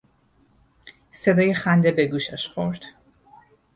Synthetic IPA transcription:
se̞d̪ɒːjexænd̪ebeɡuːʃæʃxo̞̰ɾd̪̥

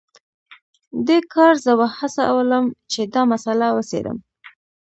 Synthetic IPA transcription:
d̪ekʰɑɾzəbahasaʔa̰wələmt͡ʃed̪ɑmasalawəsḛd̪ə̰m

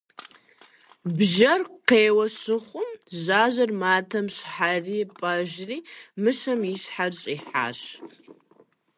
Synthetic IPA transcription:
bʒɐrqeːwɐɕɨχʷʊmʑaːʑɐrmaːtʰɐmɕħariːpʼɐʒriːmɨʃɐmiɕħarɕʼiːħa̰ːɕ

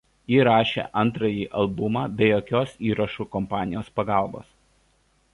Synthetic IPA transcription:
jiːɾɑːʃʲḛʔɐnˑt̪ɾɐjiːʔɐlˠbʊmɑːbʲɛjoːkʲoːsiːɾɐʃuːkɔmpɑːnʲɪjoːspɐɡɑˑlˠbo̰ːs

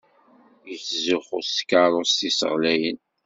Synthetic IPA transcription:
jəθzʊχʊskaɾˤʊst̪isə̰ʁlæjən

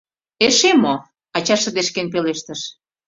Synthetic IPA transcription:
eʃemo | ɑt͡ɕɑʃə̆d̪eʃkenpeleʃt̪əʃ

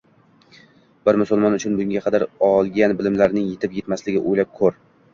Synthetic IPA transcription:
b̥ɪɾmʊsʊlˠmɒnʊt͡ʃʰʊnbʊŋɡʲaqʰɑd̪aɾɒlˠɡʲanbɪlɪmlaɾnɪŋjet̪ʰɪpjet̪maslɪɡʲɪʔojlap̚kʰɵɾ

